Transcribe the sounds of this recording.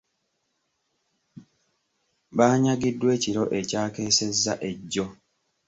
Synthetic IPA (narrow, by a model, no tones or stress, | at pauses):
βaːɲaɡidːwe̞ːciɾoʔe̞caːke̞ːse̞zːa̰ʔe̞ɟːo